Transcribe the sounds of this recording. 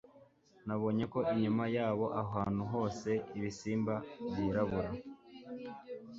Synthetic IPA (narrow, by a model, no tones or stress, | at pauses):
naβo̞ːɲe̞ko̞ʔiɲumajaːβo̞ʔaɦaːn̥huɦo̞ːse̞iβisiːmbaβiːɾaβuɾa